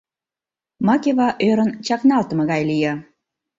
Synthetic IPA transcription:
mɑkʲeβɑʔøɾənt͡ɕɑknɑlt̪ə̆mɤ̆ɣɑjlijɑ

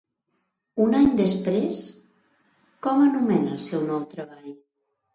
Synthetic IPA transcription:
unaɲd̪əspɾes | kɔmənumɛnəːlˠsɛwnɔwt̪ɾəβaʎ

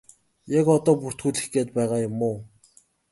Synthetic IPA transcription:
jakɔt̪ɔːpur̥t̪xuːɮɘ̆xɡeːt̪̚pæːʁaːjʊmːʊː

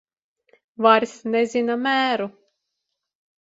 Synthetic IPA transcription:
vaɾʲsnɛzʲinamæːɾu

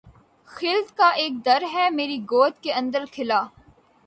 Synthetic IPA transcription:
xɪld̪kaʔeːk̚d̪ɐɾɦɛmeːɾiɡoːt̪keɐ̃nd̪əɾkʰɪlaː

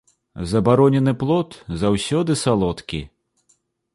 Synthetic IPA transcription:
zɐbaɾɔnʲɛnɨplˠɔt̪zawsʲɔd̪ɨsalˠɔt̪kʲḭ

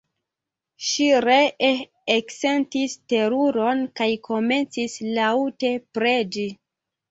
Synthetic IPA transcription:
ʃiɾeː | kse̞ntiste̞ɾuɾo̞nkajkʰo̞me̞nt͡sislaute̞pɾe̞d͡ʒi

